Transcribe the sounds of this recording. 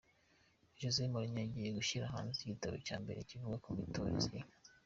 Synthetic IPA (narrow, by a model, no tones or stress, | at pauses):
eʒozeimuɾiɲaɟijeɡuʃiɾaɦa̰ːnziɟitaβo̰ca̰ːmbe̞ɾe̞civuɡakumitʰoɾḭzi